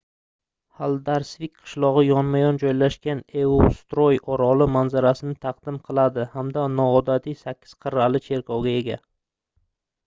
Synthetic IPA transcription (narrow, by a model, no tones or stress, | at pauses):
halˠd̪aɾsvɪk̚ʲqʰɨ̥ʃlˠɒʁɨjɒnmajɒnd͡ʒɒjlaʃkʲaneost̪ɾojɒɾɒlɪmanzaɾasɪnɪt̪ʰaqd̪̥ɪmqʰɨlˠad̪ɪhamd̪anɒːd̪at̪ʰijsakʲʰːɪ̥z̥qʰɨɾːalɪt͡ʃʰe̞ɾkʰɒwɡʲae̞ɡʲa̰